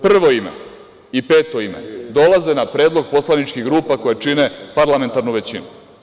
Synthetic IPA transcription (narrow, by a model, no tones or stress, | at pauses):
pr̩ʋo̞imḛ | ipeːt̪o̞imḛd̪o̞lazenapɾeːd̪lˠo̞ɡ̚po̞slˠanit͡ʃkiɣɡɾuːpako̞jet͡ʂine̞paɾlame̞nt̪aɾnuʋet͡ɕinu